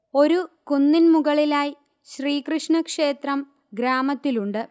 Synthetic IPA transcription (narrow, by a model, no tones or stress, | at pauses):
o̞ɾukunːinmuɣɐɭilaːji | ɕriːkrɨʂɳɐkʂe̞ːt̪rɐm | ɡɾaːmɐt̪ːiluɳɖɨ